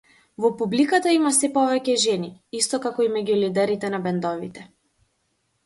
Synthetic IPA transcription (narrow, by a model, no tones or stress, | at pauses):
vɔpublikat̪aimasɛpɔvɛcɛʒɛniist̪ɔkakɔimɛɟulid̪ɛɾit̪ɛnabɛnd̪ɔvit̪ɛ